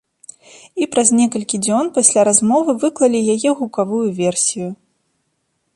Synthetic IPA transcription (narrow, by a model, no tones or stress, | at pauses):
ipɾazʲnʲɛkɐlʲkʲid͡zʲɔnpasʲlʲaɾazmɔvɨvɨklˠɐlʲijajɛɣukavujuvʲɛrsʲiju